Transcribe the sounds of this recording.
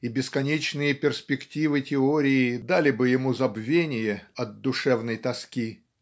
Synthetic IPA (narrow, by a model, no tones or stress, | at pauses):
ibʲɪskɐnʲet͡ɕnɨjəpʲɪrspʲɪktʲivɨtʲɪoɾʲɪɪd̪alʲɪbɨjɪmuzɐbvʲenʲɪjəɐd̪̚d̪ʊʂɛvnəjt̪ɐskʲi